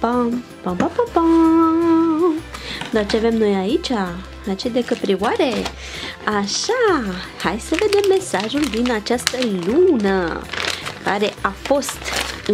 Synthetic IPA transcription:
pã | pãbapãpã | d̪at͡ʃiavemnojait͡ʃa | at͡ʃid̪ekəpɾiwaɾe | aʃahajsəved̪emːesaʒuld̪inat͡ʃast̪əlunə | kaɾeafost̪

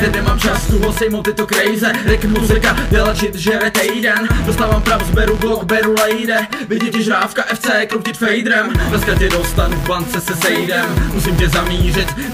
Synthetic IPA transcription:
t̪ɛdnɛmaːmt͡ʃast̪uɦosɛjmowt̪ːɪt̪okɾɛjzɛɾɪkmuzɪkadɛlat͡ʃɪt̪ʒɛɾɛt̪ɛjdɛndost̪aːvaːmpɾavzbɛɾubloɡbɛɾulɛjdɛvɪɟɛcɛʒɾaːfkaʔɛft͡sɛːkɾomcɪt̪fɛjd̪ɾɛmdlɛskacɛdost̪anuvbant͡sɛsɛsɛjdɛmmusɪmcɛzamiːr̝ɪt̪

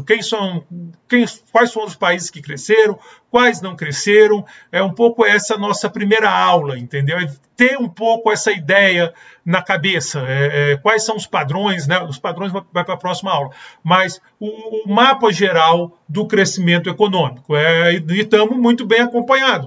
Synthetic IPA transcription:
kẽj̃sɐ̃w̃kẽj̃kwajsfɐ̃w̃d̪ʊspaizɪskɪkɾeseɾɐ̃w̃ | kwajznɐ̃w̃kɾeseɾɐ̃w̃ | ɛũpowkʊɛsɐnɔsɐpɾimejɾɐawlɐĩnt̪ẽnd̪ewɛ | t̪eũpowkʊɛsɐid̪ɛjɐ | nɐkabesɐɛɛkwajsːɐ̃w̃ʊspad̪ɾõj̃snɛʊspad̪ɾõj̃zvavajpɾɐpɾɔsimɐawlɐmɐs | ʊːmapɐʒeɾawd̪ʊkɾesimẽnt̪ʊekonõmikʊɛɪt̪ɐ̃mʊmũj̃t̪ʊbẽj̃akõmpɐ̃ɲad̪ʊ

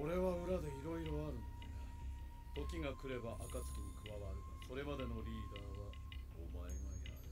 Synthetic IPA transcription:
oɾe̞βaɯ̟ɾad̪e̞çiɾo̞iɾoβaɾɯ̟̃n | t̪o̞kʲiŋakɯ̟ɾe̞baʔakat͡sɨ̥kʲiɲ̟ikɯβaβaɾɯ̟ | so̞ɾe̞mad̪e̞no̞ɾʲiːd̪aːβa | o̰maemaa̰

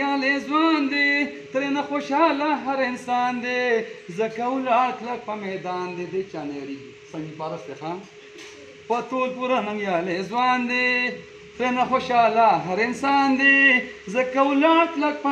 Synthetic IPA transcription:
aːlezwaːnd̪et̪ɾeːnaxoʃaːlaɦɐɾɪnsaːnd̪ezɐkɐwlaːklɐk̚pɐmed̪aːnd̪ed̪et͡ʃaːneːɾi | sɐ̃ŋɡipaːɾɐsd̪exan | pɐt̪olpuɾɐnɐŋjaːlezwaːnd̪e | t̪ɾenaxoʃaːlaɦɐɾɪnsaːnd̪ezɐkɐwlaːk̪lɐk̚p

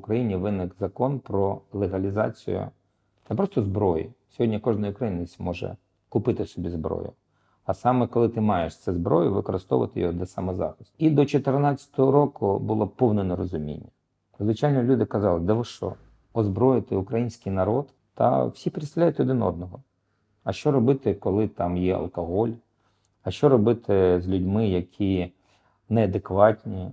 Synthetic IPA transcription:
ʊkɾɐjinʲiʋɪnɪkzɐkɔnpɾɔlˠeɦɐlʲizɑ̰t͡sʲḭjʊ̰ | nɛpɾɔst̪ɔzbɾɔjḭsʲɔɦɔdʲnʲikɔʒnɐjʊkɾɐjinɪsʲmɔʒɛ̰ | kʊpɪt̪ɪsɔbʲizbɾɔ̰jʊ̰ | ɐsɑmɛkɔlˠɪt̪ɪmɑjeʃt̪sɛzbɾɔ̰jʊʋɪkɔɾɪst̪ɔ̰ʋɐ̰t̪ɪjɔɦɔd̪ʲɐsɑmɛzɑ̰xɪsʲtʲid̪ɔt͡ʃɔt̪ɪrnɑt͡sʲɐ̥t̪ɔɦɔɾɔkʊbʊlˠɔpɔwnɔnɛɾɔzʊmʲḭnʲːɐ | zʋɪt͡ʃɑjʲnɔlʲud̪ɪkɐzɑlˠɪd̪ɛʋɔʃɔ̰ | ɔzbɾɔjɪt̪ɪʊkɾɐjinʲsʲkɪjnɐɾɔt̪ | t̪ɐ̰w̥sʲipɾʲislʲajʊt̪ɔd̪ɪnɔ̰d̪̚nɔɦɔ | ɐʃt͡ʃɔɾɔbɪt̪ɪkɔlˠɪt̪ɑmjɛɐ̰lˠkɔɦɔlʲ | ɐʃt͡ʃɔɾɔbɪt̪ʰɪzʲlʲʊdʲmɪjɐkʲʰi | nɛɐd̪ekʋɑtʲnʲi

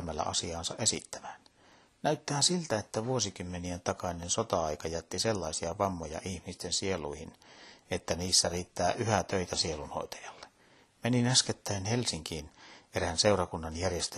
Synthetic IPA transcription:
mælːæ̰ʔɑ̰siɑːnsɑʔesḭt̪ːæ̥mæn | næyt̪ːæːsilt̪æet̪ːæʋuosikymːenient̪ɑkɑnensot̪ɑɑikɑjæt̪ːiselːɑisiɑʋɑmːojɑ̰ʔihmist̪ensieluihinet̪ːæniːsːæriːt̪ːæːʔyhæt̪øit̪æsielunho̰it̪ɑ̥jɑlːe̥ | meninæsket̪ːæinhelsiŋkiːneɾænseurɑkunːɑnjærjest̪

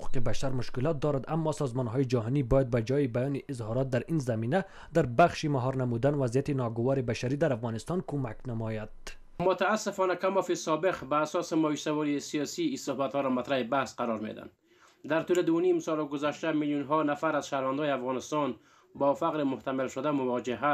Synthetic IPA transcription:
quqibaʃaɾmʊʃkɪlɔt̪̚d̪ɔɾad̪amːɒsɒzmɔnɦɔjid͡ʒaɦɔnibɔjad̪̚bad͡ʒɒjibajɔːniʔɪzhɒɾɔt̪̚d̪aɾinzamiːna | d̪aɾbaχʃimaɦɒɾnamud̪anvazijat̪inɔɡʊwɒɾibaʃaɾid̪aɾafɣɔnɪst̪ɒnkʰumaknamɔjad̪̥ | mʊt̪aːsːɪfɔnakamɔfisɔbeqbaːsɔsɪmɔisawɔɾisijɔsiisʊhbat̪hɔɾɔmat̪ɾahibahsqaɾɔɾmḛd̪a̰nd̪ | d̪aɾt̪uled̪ʊnimsɔlɡʊzaʃt̪amiljunɦɔnafaɾazʃahɾvand̪ɔjeafɣɔnɪst̪ɔn | bɔfaqɾɪmʊht̪amalʃʊd̪amʊwɔd͡ʒɪɦa

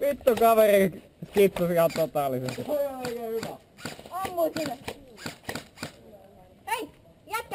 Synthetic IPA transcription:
ʋit̪ːukɑʋeri | skit̪susiɑt̪ot̪ɑːˑlːˑisesoliooikeːhyʋæ | ɑmːusine | ei | jæt̪k

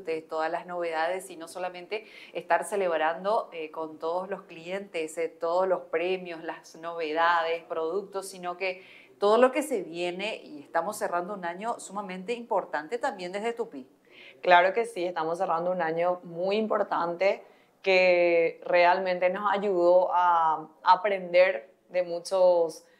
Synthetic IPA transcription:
t̪est̪oðaslasno̞βe̞ðaðesino̞so̞lamẽ̞nt̪eest̪aɾse̞le̞βɾand̪o̞eko̞nt̪oðoslo̞sklie̞nt̪est̪oð̞oslo̞spɾe̞mjoslasno̞βe̞ðaðe̞spɾo̞ðuk̚t̪osːino̞ke̞ | t̪o̞ðolo̞ke̞se̞βje̞ne̞ḭest̪amo̞sːerand̪o̞unaɲo̞sumamẽ̞nt̪e̞impo̞ɾt̪ant̪e̞t̪ambjend̪e̞zðet̪upi | klaɾo̞ke̞siest̪amos̬ːe̞rand̪ounaɲo̞mujimpo̞ɾt̪ant̪e | kere̞almẽnt̪e̞no̞saʝuðo̞ʔaapɾe̞nd̪e̞ɾ | ðe̞mut͡ʃos

